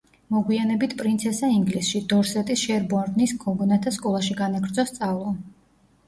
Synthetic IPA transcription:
mɔɡwianɛbit̪ʰpʼɾint̪sʰɛsaiŋɡlisʃid̪ɔɾsɛt̪ʼisʃɛɾbɔɾnisɡʰɔɡɔnat̪ʰaskʼɔlˠaʃiɡanaɡɾd̪zɔst̪sʼavlˠɔ

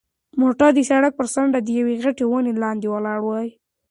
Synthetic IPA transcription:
moʈɑd̪əsaɽak̚pəɾsaɳɖad̪əjaweɣaʈewanelɑnd̪ewalɑɽwəj

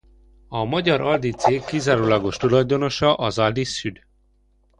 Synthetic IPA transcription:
ɒmɒɟɒɾʔɒld̪it̪seːkːizaːɾoːlɒɡo̞ʃt̪ulɒjd̪o̞no̞ʃɒʔɒzɒld̪isːyd̪

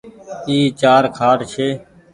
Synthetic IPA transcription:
iːt͡ʃaːɾkʰaːʈt͡ʃʰeː

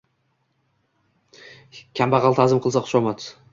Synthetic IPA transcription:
kʲʰambaʁɑlˠt̪ʰazɪmqʰɨlˠsaqʰʊ̥ʃɒmat̪

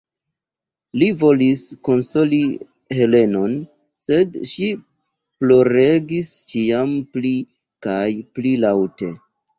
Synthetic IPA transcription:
livo̞lisko̞nso̞li | he̞le̞no̞n | se̞dʃi | plo̞ɾe̞ɡist͡ʃiampli | kajplilawte̞

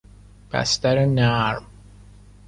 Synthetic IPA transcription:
pæ̰st̪æɾenæɾm

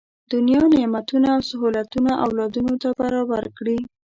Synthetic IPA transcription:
d̪̥ʊnjɑnemat̪unaːwsaɦɑlat̪unaʔawlɑd̪unot̪abaɾɑbaɾkɽi

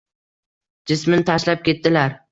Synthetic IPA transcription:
d͡ʒɪsmɪnɪt̪ʰaʃlap̚kʲe̞t̪ːɪlaɾ

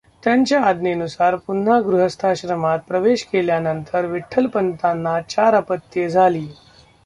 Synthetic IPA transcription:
t̪jaɲt͡ɕjaːd̪neənusaɾpun̤ɦaɡɾuɦəst̪ʰaɕɾəmat̪̚pɾəʋeɕkeljanənt̪ʰəɾʋiʈʰːəlpənt̪anːat͡ɕaɾapət̪ːjed͡zʱaliː

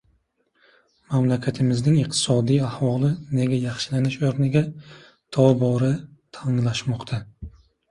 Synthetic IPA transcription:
mamlakʲʰat̪ʰɪmɪznɪŋiqt̪ʰɪ̥sɒd̪ijahwɒlˠɪne̞ɡʲajɑχʃɪlanɪʃoɾnɪɡʲa | t̪ʰɒbɒɾɪt̪ʰaŋlˠaʃmɒqt̪ʰa

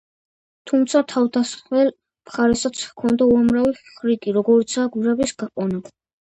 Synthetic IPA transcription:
t̪ʰumt̪sʰat̪ʰavd̪asχwɛl | mχaɾɛsat̪sʰkʰɔnd̪auamɾavifχɾikʼiɾɔɡɔɾit̪sʰaːɡwiɾɛbisɡ̥aqʼɔna

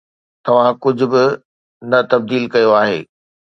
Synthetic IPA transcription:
t̪ɐʋ̤ãkʊd͡ʑʱʊ̆bɪ | nɐt̪ɐb̚d̪iːlkɐjoaːɦeː

